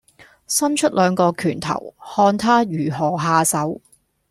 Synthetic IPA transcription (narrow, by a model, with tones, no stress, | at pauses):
sɐ˥mt͡ʃʰɵ˥t̚lœː˨˧ŋkɔː˧kʰyː˨˩nt̪ʰɐ̰˨˩whɔː˧nt̪ʰaː˥jyː˨˩ɦɔː˨˩ɦaː˧sɐ˨˥w